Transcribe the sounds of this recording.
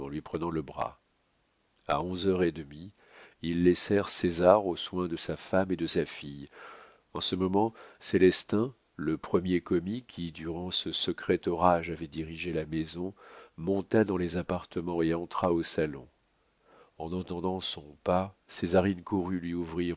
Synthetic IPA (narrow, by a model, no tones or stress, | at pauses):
ɑ̃lɥipχənɑ̃ləbʁa̰ | a̰ɔ̃zœʁed̪əmi | ilːɛsɛʁsezaʁoswɛ̃d̪əsafamed̪əsafij | ɑ̃səmɔmɑ̃selɛst̪ɛ̃ | ləpχəmjekɔmikʲʰid̪yʁɑ̃səsəkχɛt̪ɔʁaʒavɛd̪iʁiʒelamezɔ̃mɔ̃t̪ad̪ɑ̃lezapaʁt̪əmɑ̃eɑ̃t̪χaosalɔ̰̃ | ɑ̃nɑ̃t̪ɑ̃d̪ɑ̃sɔ̃pasezaʁinkuʁylɥiuvʁi